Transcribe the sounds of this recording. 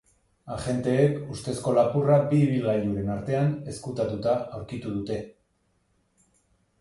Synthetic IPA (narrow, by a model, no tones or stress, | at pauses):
aʝe̞nt̪e̞ːkust̪e̞sko̞lapurabiːβ̞ilɣajd̪uɾe̞naɾt̪e̞ane̞skut̪at̪ut̪aawɾkit̪uð̞ut̪e̞